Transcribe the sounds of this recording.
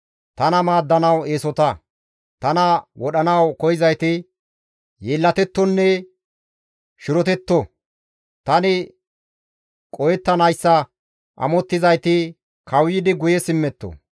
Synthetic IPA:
t̪ɐnɐmaːd̪ːɐnɐweːsɔt̪ɐ | t̪ɐnɐwɔɗɐnɐwkɔjɪzɐjt̪ɪ | jeːlːɐt̪ɛt̪ːɔnːɛ | ʃɪɾɔt̪ɛt̪ːɔ | t̪ɐnɪ | kʼɔjɛt̪ːɐnɐjsːɐ | ʔɐ̰mɔt̪ːɪzɐjt̪ɪ | kɐwjɪd̪ɪɡʊjɛsɪmːɛt̪ːɔ̰

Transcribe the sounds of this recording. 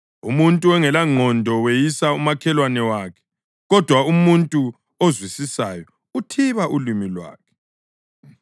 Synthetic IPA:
umuntʼuɛŋɛlaŋ͡ǃʱɔndʱɔwejisaumakʰɛlwanɛwaːkʰɛ̥ | ɣɔd̥ʱwaumuntʼu | ozwisisajɔ | utʰiβaʔulimilwa̰ːkʰɛ̥

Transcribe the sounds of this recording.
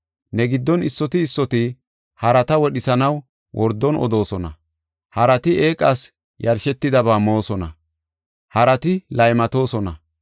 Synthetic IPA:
nɛɡɪd̪ːɔnɪsːɔt̪ɪːsːɔt̪ɪ | hɐɾɐt̪ɐwɔɗɪsɐnɐw | wʔɔɾd̪ːɔnɔ̰d̪o̞ːsɔnɐ̰ | hɐɾɐt̪ɪe̞ːkʼːas | jɐɾʃɛt̪ːɪd̪ɐbaːmo̞ːsɔnɐ̰ | hɐɾɐt̪ɪlɐjmɐt̪o̞ːsɔnɐ

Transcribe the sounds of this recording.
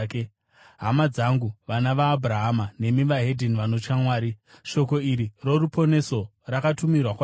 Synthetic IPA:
ɦamad͡zaŋɡuʋanaʋaːbʱuɾaɦamane̞miʋaɦedʱiniʋano̞t͡ʃamwaːɾi | ʃo̞ko̞iɾiro̞ɾupo̞ne̞so̞ | rakatumirwakwa

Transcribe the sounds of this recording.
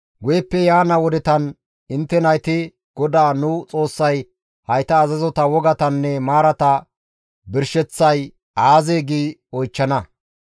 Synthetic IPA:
ɡʊjɛpːɛjaːnɐwɔd̪ɛt̪ɐn | ɪnt̪ːɛnɐjt̪ɪ | ɡ̥ɔd̪aːnʊt͡sʼo̞ːsːɐj | hɐjt̪ɐːzɐzɔt̪ɐwɔɡɐt̪ɐnːɛmaːɾɐt̪ɐ | bɪɾʃɛt͡sːɐj | aːzeːɡiːɔjt͡ʃːɐnɐ

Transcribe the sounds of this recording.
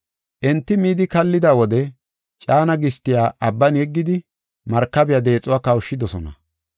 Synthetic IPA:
ʔɛnt̪ːɪmiːd̪ɪkɐlːɪd̪awɔd̪ɛ | t͡ʃʼaːnɐɡɪst̪ːɪjaːʔɐbːɐnjɛɡːɪd̪ɪ | mɐɾkːɐbɪjad̪e̞ːt͡sʼːʊwaːkɐwʃːɪd̪ɔsɔnɐ̰

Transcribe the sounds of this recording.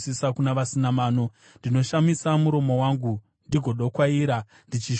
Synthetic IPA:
sisakunaʋasinamaːno̞ | ndino̞ʃamisamuɾo̞mo̞waːŋɡu | ndiɡʱo̞ɗo̞kwaiːɾa | ndit͡ʃi

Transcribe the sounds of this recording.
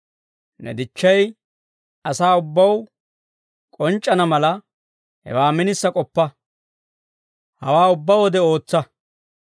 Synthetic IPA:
nɛ̰d̪ɪt͡ʃːɐj | ɐsaːʊbːɐw | kʼɔnt͡ʃʼːɐnɐmɐlɐ | hɛ̰waːmɪnɪsːɐkʼɔpːɐ | hɐwaːʊbːɐwɔd̪ɛo̞ːt͡sːɐ

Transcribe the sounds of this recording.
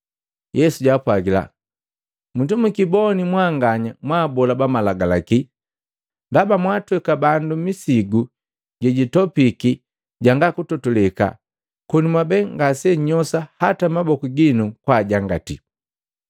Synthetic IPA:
jɛsuɟapwaɡila̰ | mutumukibɔnimwaːŋɡaɲamwaːbɔlabamalaɡalaki | ndabamwaːtwɛkabandumisiɡu | ɟɛɟitɔpiki | ɟaŋɡakutɔtɔlɛka̰ | kɔnimwabɛŋɡasɛɲɔsahatamabɔkuɡinukwaɟaŋɡatḭ

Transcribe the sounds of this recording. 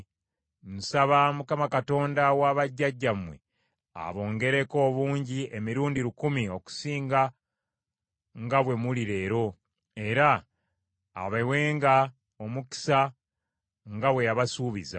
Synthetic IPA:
musaβamukamakato̞ːndawaβaɟːaɟːamwe̞̰ | a̰βo̞ːŋɡe̞ɾe̞ko̞ːβuːɲɟiemiɾuːndiɾukumio̞ku̥siːŋɡa | ŋɡaβwe̞muliɾe̞ːɾo̞ | e̞ɾa̰ː | βeweːŋɡa | o̞muki̥sa | ŋɡawe̞jaβasuːβiza̰

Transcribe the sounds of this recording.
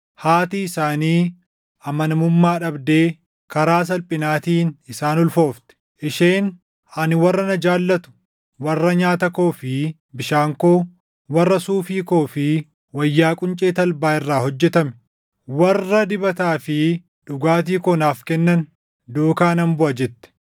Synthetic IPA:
haːt̪iːɪsaːniː | ʔɐmɐnɐmʊmːaːᶑɐbd̪e̞ː | kɐɾaːs̬ɐlpʼɪnaːt̪iːnɪsaːnɔlfo̞ːft̪ɛ̥ | ʔɪʃeːn | ɐnɪwɐrːɐnɐd͡ʒaːlːɐt̪ʊ̥ | wɐrːɐɲaːt̪ɐko̞ːfɪ | bɪʃaːŋkoː | wɐrːɐsuːfiːko̞ːfɪ | wɐjːaːkʼʊnt͡ʃʼe̞ːt̪ɐlbaːɪrːaːhɔd͡ʒːɛt̪ɐmɛ̥ | wɐrːɐd̪ɪbɐt̪aːfɪ | ᶑʊɡaːt̪̬iːkɔnaːfkɛnːɐn | d̪uːkaːnɐmbʊʔɐd͡ʒɛt̪ːɛ̥

